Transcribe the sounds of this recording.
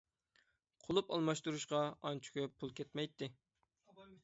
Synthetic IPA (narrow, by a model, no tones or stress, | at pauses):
qʰolˠupɑlˠmɑʃt̪uɾuʃqɑɑnt͡ʃʰy̥kʲʰɛpʰulˠkʲʰɛt̪mɛjt̪ʰːɪ